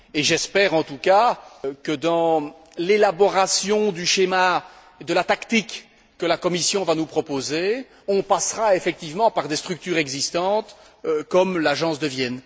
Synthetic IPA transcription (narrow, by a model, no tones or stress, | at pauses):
eʒɛspɛːʁɑ̃t̪ukakəd̪ɑ̃ | lelabɔʁasjɔ̃d̪yʃema | ed̪əlat̪akt̪ikː | əlakɔmisjɔ̃vanupχɔpoze | ɔ̃pasʁaefɛk̚t̪ivmɑ̃paʁd̪est̪χyk̚t̪yːʁɛɡzist̪ɑ̃t̪ | kɔmlaʒɑ̃sd̪əvjɛn